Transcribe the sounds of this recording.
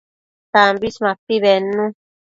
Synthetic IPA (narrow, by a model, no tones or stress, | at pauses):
t̪ambismãpiβenũ